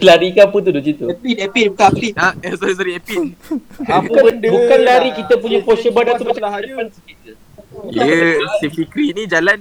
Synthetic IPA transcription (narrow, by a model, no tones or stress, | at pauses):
laɾikaput̪udod͡ʒit̪uiɛpibukapliaɛsɔɾis̬aɾiɛpit̪ | bukbukanlaɾikit̪əp̬uɲapɔʃəbadat̪umat͡ʃadəpansəkit̪̚ | jəsəfikɾinid͡ʒalan